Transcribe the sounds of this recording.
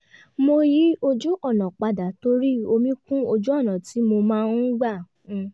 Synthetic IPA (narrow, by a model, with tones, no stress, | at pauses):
mo˧ji˦o˧d͡ʒu˦ʔɔ˦˨nã˨k͡pa˧da˨˦to˦ɾi˦o˧mĩ˦kũ˦o˧d͡ʒu˦ɔ˦˨nã˨ti˨˦mo˧mãː˦˧˦nũ˦ɡ͡bã˦˨